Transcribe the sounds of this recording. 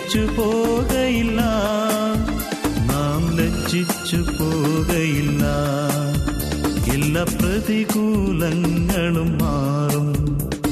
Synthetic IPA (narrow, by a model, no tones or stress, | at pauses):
t͡ʃːɯpoːɣɐɪlːaː | naːmlɛt͡ʃːɪt͡ʃːɯpoːɣɐjɪlːaː | ɛlːaːpɾɐðiɣuːlɐŋːɐɭɯmːaːrɯm